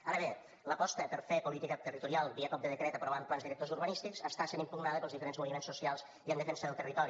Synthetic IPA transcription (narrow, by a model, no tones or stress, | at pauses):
aɾəβe | ləpɔst̪əpəɾfepulit̪ikət̪ərit̪uɾialˠbiəkɔp̚d̪əðəkɾɛt̪əpɾɔβamplanzðiɾək̚t̪ozuɾβənist̪ikzəst̪asenimpuɣnaðəpəlˠzðifəɾenzmuβimensusialˠz | iənd̪əfɛnsəðəlˠt̪ərit̪ɔɾi